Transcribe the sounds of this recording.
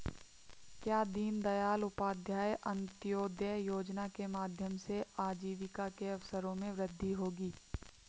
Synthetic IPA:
kjaːd̪iːnd̪ɐjaːlʊpaːd̪ʱjaːjʔɐ̃nt̪ɪjoːd̪jəjoːd͡ʒnakemaːd̪ʱjəmseaːd͡ʒiːʋɪkakeɐʋsəɾõmẽʋɾɪd̪ʱːiɦoːɡiː

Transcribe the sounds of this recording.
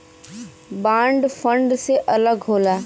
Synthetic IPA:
bãːɳɖfə̃ɳɖseʔɐləɡɦoːlaː

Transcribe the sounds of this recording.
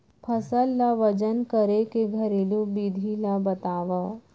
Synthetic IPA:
pʰɐsəlːaʋəd͡ʒənkəɾekeɡʱəɾilũbid̪ʱilabɐt̪aːʋa

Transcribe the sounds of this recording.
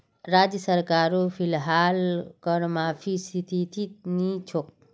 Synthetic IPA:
ɾaːd͡ʒjəsəɾkaːɾofʰilɦaːlkəɽmaːfʰisit̪it̪ʰinit͡ʃʰok̚

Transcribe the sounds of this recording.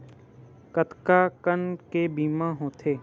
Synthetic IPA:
kət̪kakənkebiːmãɦõːt̪ʰeː

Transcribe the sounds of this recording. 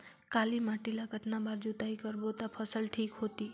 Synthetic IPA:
kalimaʈilaɡət̪nabaɾd͡ʒut̪aikəɾbot̪apʰəsəlʈʰikɦot̪i

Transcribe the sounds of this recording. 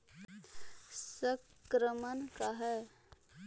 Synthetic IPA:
səkkɾəmənkaɦɛ

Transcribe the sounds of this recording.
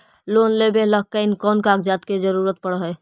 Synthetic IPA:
loːnlebeləɦkəɪnkɔːnkaːɡd͡ʒat̪ked͡ʒəɾuɾət̪̚pəɽɦɛ

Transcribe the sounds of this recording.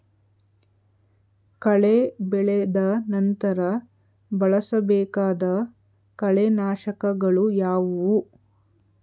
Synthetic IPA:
kɐɭebɛɭed̪ɐnɐnt̪ɐɾɐ | bɐɭɐsɐbɛːkaːd̪ɐ | kɐɭenaːʃɐkɐɡɐɭujaːʋu

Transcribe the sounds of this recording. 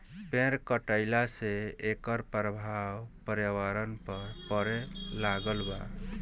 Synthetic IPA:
pẽɾkəʈəɪlaseekəɾpɾəbʱawpəɾjəwaɾənpəɾpəɾɛlaɡəlba

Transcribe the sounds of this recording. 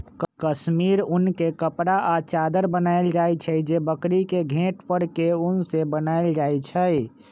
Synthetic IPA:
kkəsmiɾʊnkekəpɾaʔat͡ʃad̪əɾbənaɪld͡ʒajt͡ʃʰəjd͡ʒebəkɾikeɡʱẽʈpəɽkeʊnsebənaeld͡ʒajt͡ʃʰəj

